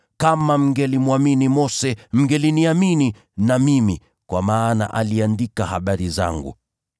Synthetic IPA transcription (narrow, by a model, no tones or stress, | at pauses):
kamam̩ɡɛlimuaminimɔsɛm̩ɡɛliniamini | namimi | kwamaːna̰ʔaliandikahaɓaɾiza̰ŋɡṵ